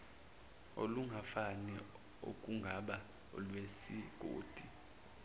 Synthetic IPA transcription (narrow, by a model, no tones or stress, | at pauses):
o̰luŋɡʱafanɛ | o̰kʼuŋɡʱaɓa | ɔ̰lwesiɡ̥ʱo̰ːd̥ʱi